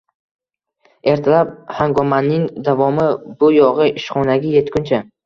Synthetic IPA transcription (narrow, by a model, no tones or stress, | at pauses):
e̞ɾt̪ʰalap̚haŋɡɒmanːɪŋd̪avɒmɪbʊjɒʁɨʔɪʃχɒnaɡʲaje̞t̪kʲʊnt͡ʃʰa